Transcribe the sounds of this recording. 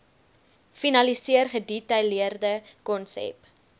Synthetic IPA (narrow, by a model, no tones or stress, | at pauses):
finɐlisiərχəditɐjliərdəkɔnsɛ̰p